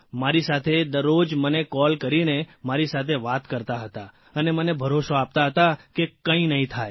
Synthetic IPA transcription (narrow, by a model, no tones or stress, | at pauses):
maɾisat̪ʰed̪əɾːod͡ʒmənekɔlkəɾinemaɾisat̪ʰeʋat̪kəɾt̪aɦət̪a | ənemənebʱəɾoʃoap̚t̪aɦət̪akekə̃ĩnəɦĩt̪ʰaj